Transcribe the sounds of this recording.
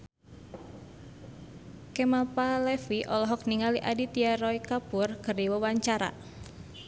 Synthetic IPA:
kɛmalpalɛfiʔɔlɔɦɔk̚niŋaliʔadit̪iaɾɔikapurkɨriwəwaɲt͡ʃaɾa̰

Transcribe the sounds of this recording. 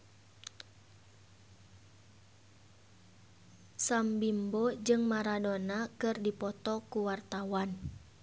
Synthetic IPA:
sambimbɔd͡ʒɨŋmaɾadɔnakɨrdipɔt̪ɔkuwart̪awan

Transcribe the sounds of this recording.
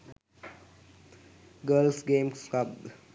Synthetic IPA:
ɡəːlsɡeːmskabd̪

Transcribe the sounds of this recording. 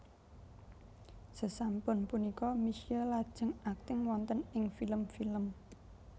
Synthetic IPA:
səsampʊnpunikɔmiʃiəlad̥ʒ̥ə̤ŋak̚t̪ɪŋwɔnt̪ənɪŋfiləmfiləm

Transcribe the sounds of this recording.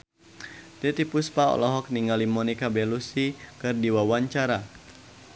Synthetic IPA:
t̪it̪ipuspaɔ̰lɔɦɔk̚niŋalimɔnikabɛlusikɨrdiwawaɲt͡ʃaɾa

